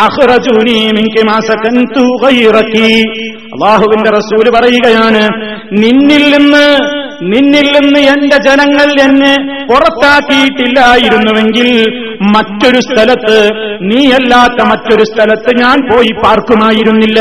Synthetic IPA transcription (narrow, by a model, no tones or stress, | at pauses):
ɐxrɐd͡ʑuːnimiŋkimaːsɐkɐnt̪uɣɐjrɐkːi | ɐ̰lˠːaːɦuʋinde̞rɐsuːlpɐrɐjuɣɐjaːɳɨ | ninːilːinːɨ | ninːilːinːɨe̞nde̞d͡ʑenɐŋːɐɭɐnːepurɐt̪ːaːkːijiʈːilːaːjiɾunːuʋe̞ŋɡil | mɐtːo̞ɾust̪ʰɐlɐt̪ːɨniːelːaːt̪ːɐmɐtːo̞ɾust̪ʰɐlɐt̪ːɨɲaːnpo̞ːjipaːrkumaːjiɾunːilːɐ